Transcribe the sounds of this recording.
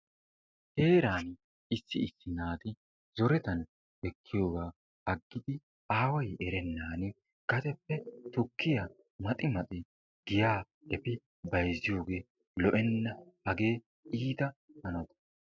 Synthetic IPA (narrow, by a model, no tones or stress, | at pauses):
he̞ːɾaːn | ɪsːɪɪsːɪnaːt̪ɪ | zɔɾɛt̪ɐn | ɛkʰːɪjo̞ːɡaː | ɐɡːɪd̪ɪ | aːwɐjɛɾɛnːaːnɪ | ɡ̥ɐt̪ɛpːɛt̪ʊkʰːɪjɐ | mɐt̪ʼɪmɐt̪ʼɪ | ɡ̥ɪjaː | ɛpɪ | bɐjzːɪjo̞ːɡe̞ː | lɔʔɛnːɐhɐɡe̞ː | iːt̪ɐhɐnɔt̪ɐ̥